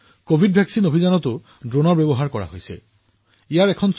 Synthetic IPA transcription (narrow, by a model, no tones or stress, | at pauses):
kobʱidbʱjaksinobʱizanɔtʊ | dɹonɔɹbebɔɦaɹkɔɹa̰ɦojsɛ̰ | ijaɹɛkʰɔns